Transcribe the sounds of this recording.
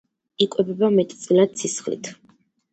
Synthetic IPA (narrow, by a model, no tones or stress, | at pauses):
ikʼwɛbɛbamɛt̪ʼt̪sʼilad̪̚sʰisχlḭt̪ʰ